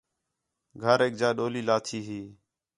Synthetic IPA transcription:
ɡʱəɾeːk̚d͡ʒaːɗoːliːlaːt̪ʰiːɦiː

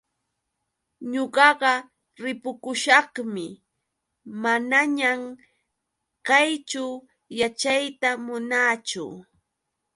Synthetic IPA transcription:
ɲoɢɑɢɑ | ɾɪpʊkʊʃɑχmɪ | manaɲam | kajt͡ʃʊ | jat͡ʃajt̪amʊnaːt͡ʃʊ̰

